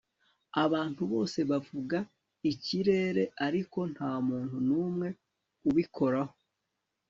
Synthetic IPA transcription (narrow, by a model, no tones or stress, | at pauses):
aβaːntuβo̞ːse̞βavuɡa | iciɾe̞ːɾe̞ʔaɾiko̞n̥haːmuːnhunuːmŋe̞ | uβikʰo̞ɾaho